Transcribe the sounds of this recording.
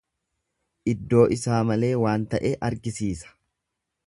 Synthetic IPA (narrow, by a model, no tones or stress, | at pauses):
ʔɪd̪ːo̞ːʔɪsaːmɐle̞ːwaːnt̪ɐʔeːʔɐɾɡɪsiːsɐ̥